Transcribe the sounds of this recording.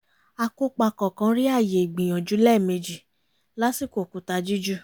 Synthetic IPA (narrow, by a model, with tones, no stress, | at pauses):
a˧ko˦k͡pa˧kɔ̃˨kã˧˦ɾi˦a˦˨je˨i˨ɡ͡bĩ˨j̃ɔ̃˨d͡ʒu˨˦lɛ˦˨me˧d͡ʒi˨ | la˦si˦˨ko˨ku˨˦ta˧d͡ʒi˦d͡ʒu˦